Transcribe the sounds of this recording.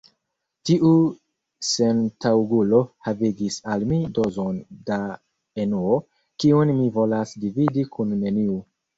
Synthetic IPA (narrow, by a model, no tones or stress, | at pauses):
tiʔu | se̞ntawɡulo̞haviɡisalmido̞zonda | enuo | kiunmivo̞lasdividikʰunːe̞niu